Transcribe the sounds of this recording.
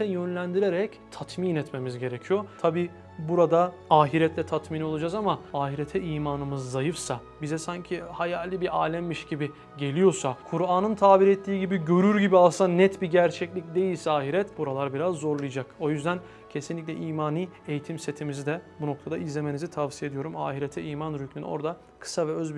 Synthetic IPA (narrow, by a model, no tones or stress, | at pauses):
ɛjønlʲænd̪iɾeɾɛc | t̪ʰat̪miːnɛt̪memizɟe̞ɾe̞cʰijo̞t̪ʰabiː | buɾad̪aaːɦiɾɛt̪ʰlʲɛt̪ʰat̪minio̞lˠad͡ʒazamaaːɦiɾet̪ʰɛiːmaːnɯmɯzːajɯfsa | bizɛsaɲcʰihajaːlʲibiʔaːlʲɛmːiʃɟibi | ɟe̞lʲijo̞sakʰuɾaːnɯnt̪ʰaːbiɾɛt̪ʰːiːɟibiɟø̞ɾyɾɟibialˠsanɛt̪biɟæɾt͡ʃʰɛclʲicd̪e̞jilʲsɛaːɦiɾɛt̪buɾalˠaɾbiɾazːo̞ɾlˠɯjad͡ʒako̞jyzd̪æn | cʰe̞sinlʲic̬ʲlʲɛʔiːmaːniː | ejit̪ʰimset̪ʰimizid̪ɛbuno̞k̚t̪ʰad̪aizlʲe̞me̞nizit̪ʰavsijaed̪ijo̞ɾuma̰ːɦiɾet̪ʰɛiːmanɾycmin̰o̞̰ɾd̪a | kʰɯ̥savɛøzbi